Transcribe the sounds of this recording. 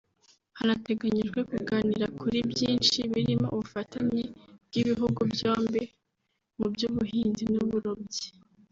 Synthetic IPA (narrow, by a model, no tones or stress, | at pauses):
hanate̞ɡaɲiʒɡwe̞kuɡaːniɾakʰuɾibjiːnt͡ʃiβiɾimo̰ʔuβufataɲeb̥̚ɡ̥iβiɦuɡubjoːmbe̞ | mubjuβuɦiːnzimnuβuɾobje̥